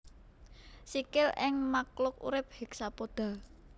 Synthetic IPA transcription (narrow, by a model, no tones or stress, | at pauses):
sikɪlɪŋmaklʊk̚ṵɾɪp̚hek̚sapod̪̥a̤